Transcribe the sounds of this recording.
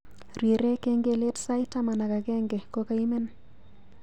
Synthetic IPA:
ɾi˨ɾe˦ke˦ŋɡe˨le˦tsa˦ɪta˦ma˨na˨ka˨kɛ˦ŋɡe˨ko˦ka˨i˦me˦n

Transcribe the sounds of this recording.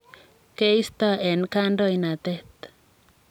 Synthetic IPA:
ke˦i˦st̪ɔ˦ɛ˨nka˦ndo˦ina˨t̪ɛ˦t̪

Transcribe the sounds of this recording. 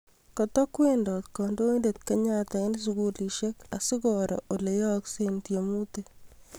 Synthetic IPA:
kɔ˨t̪ɔ˦kwe˦ndɔ˨t̪kɔ˨ndo˦e˦nde˨t̪kaɲat̪a˨ɪ˦ns̬uɡu˦li˨ʃe˦ka˨sɪ˦ɡɔɾɔ̰˨ʔo˨le˨jɔ˦ksent̪jo˨mu˦t̪e˦

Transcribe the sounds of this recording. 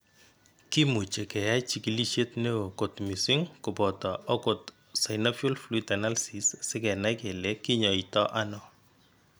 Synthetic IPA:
ki˦mu˨t͡ʃe˨kɛ˨ja˦jt͡ʃi˦ki˦li˦ʃje˦tne˦o˨ko˨tmi˨si˦ŋkʊ˨bɔ˨tɔ˨ɔ˦ko˨t | sa˨ɪna˦fjɔ˦lflui˦tɛ˨na˦lsi˨ssɪ˦kɛ˨na˦kɛ˨le˨ki˦ɲɔ˨i˨tɔ˦ʔa˦nɔ˨

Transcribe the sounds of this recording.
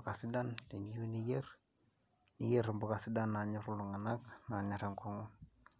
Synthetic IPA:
ka˨si˦dande˨niju˦nijɛ˦r | ni˦je˦ɾmba˨ka˨si˦da˦nːa˨ɲa˦ɾu˦lu˨ŋa˨nakna˨ɲa˨ɾa˨ŋkɔŋun

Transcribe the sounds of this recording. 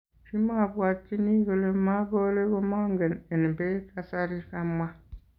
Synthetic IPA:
fi˦ma˦˨bwa˨tːi˦ni˦ɡo˨le˦ma˦bo˦le˦ɡo˦ma˦ŋɡe˨ne˨n˨be˦ka˦sa˦ɾi˦ka˦mwa˦

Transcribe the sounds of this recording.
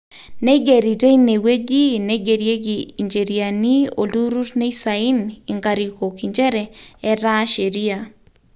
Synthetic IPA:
ne˦ɡe˨ɾi˨te˦i˦ne˨we˦ɡi˦ne˦ɡe˨ɾje˦ɡi˨i˨ɲd͡ʒe˨ɾia˨ni˦o̰˨lu˦ɾu˦tne˦i˦sa˨i˦ni˨ŋɡa˨ɾi˨ko˨ki˨ɲd͡ʒɛ˦ɾɛ˨ɛ˦ɾa˦ʃe˨ɾi˦a˨

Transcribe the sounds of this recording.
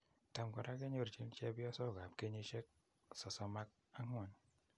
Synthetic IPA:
ta˨m˨ɡʷa˨ɾa˦ke˦ɲo˦ɾt͡ʃi˦n˦t͡ʃe˦bi˦ɔ˦sɔ˦˨ɡa˨p̚ke˦ɲi˦ʃe˦k̚ | sɔ˨sɔ˦ma˦k̚ | a˦ŋʷ˦ɔ˨n

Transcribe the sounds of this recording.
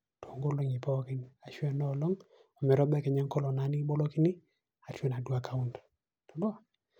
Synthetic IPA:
tʰo˨ŋɡo˦lo˦ŋi˨pɔ˦ki˦na˨ʃwɛ˦nɔ˦˨lɔ˦ŋ | ɔ˨mɛ˨ɾɔ˦bɛ˦kɛ˨ɲɛ˦ŋkɔ˦lɔ˨na˨˦ni˦bɔ˦lo˦ki˦ni˦ | a˨t͡ʃwɛ˦na˨dwa˨ka˨u˦nd | tɔ˨dɔ˦

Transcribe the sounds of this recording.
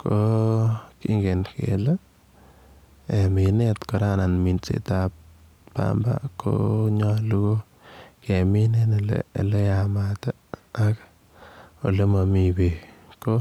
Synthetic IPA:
kʰo˦kḭ˦ŋɡe˨nkḛ˨la˦ | e˨mi˨ne˦t̪ko˨ɾa˦na˨nmi˨nt͡sḛ˨t̪a˧p̚ | pa̰˦mba̰˦kʰo̰˦ɲɔ˦lu˦ɡo˦ | ke˨mi˦ne˦ne˨lḛ˨le˦ja˧ma˨t̪a˦a˦k | o̰˨le˦ma˨mi˨be˨ko˦

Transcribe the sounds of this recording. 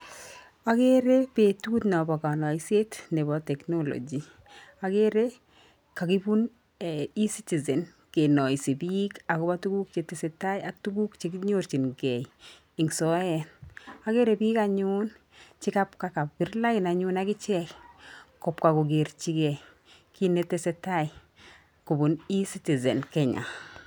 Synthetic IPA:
a˦ke˦ɾe˦pe˨tuː˦tnɔ˨bɔ˨ka˨nɔ˨ise˦tne˨bɔ˨tɛ˨knolo̰˨d͡ʒi˨ | a˨ke˦ɾe˦ | ka˨ki˦bu˦n˨ | i˦si˦ti˨zɛ˨n | ke˨nɔ˨i˨si˨bi˦ka˨kɔ˦ba˦tu˦ɡu˦k̚t͡ʃe˨tɪ˨se˨ta˦ja˨k̚tu˦ɡu˦kt͡ʃekɲo˦rt͡ʃi˨nɡɛ˨j | i˨ŋsɔ˦jɛnaɡe˦ɾebi˦ka˦ɲun | t͡ʃi˦ka˦pka˦ka˨pbi˦ɾla˦ki˨na˨ɲunaɡi˦t͡ʃɛkkɔ˨pka˨ko˨ɡe˨rt͡ʃi˦ɡɛ˨ | ki˦netɛ˦sɛ˦tai˨ | ku˨bu˨ni˦si˦ti˨zɛ˨nkɛ˨ɲa̰˨

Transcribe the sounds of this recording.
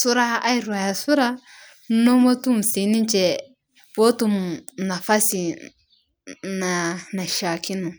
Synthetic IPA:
su˦ɾa˦a˦i˨ɾwa˨ja˨su˦ɾa˦ | n̩˦no˦mo˦tu˦m̩˨si˨˦ni˦n˦t͡ʃɛ˨ | po˦tu˦mna˨fa˦si˨ | na˨na˨ʃa˨ki˦nu˨

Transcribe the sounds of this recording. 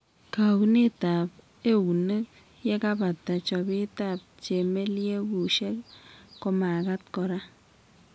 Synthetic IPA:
ka˨wu˦ne˦ta˨p | e˦˨wu˨ne˦k̚ | jɛ˦ka˦ba˨tːa˨t͡ʃɔ˨bi˦ta˦˨p̚t͡ʃe˨me˦lje˦ɡu˨ʃe˦kkɔ˦ma˨ɡa˦tkɔ˨ɾa˦

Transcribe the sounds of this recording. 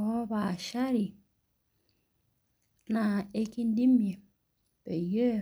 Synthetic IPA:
o˦ba˨ʃa˦ɾi˨ | na˨e˦ki˦n˦di˦mi˨e˨ | be˨je˦

